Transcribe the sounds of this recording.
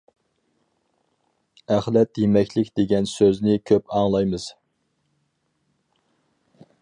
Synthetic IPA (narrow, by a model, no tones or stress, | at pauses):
æχlˠɛt̪jemɛkʲlɪkʲd̪̥eɡʲɛnsøznɪkʲʰøpɑŋlˠɑjmɨz̥